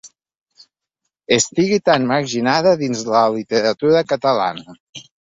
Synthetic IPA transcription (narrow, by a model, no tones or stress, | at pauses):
est̪iɣit̪anməɾʒinaðəðinzləlit̪eɾət̪uɾəkət̪əla̰nə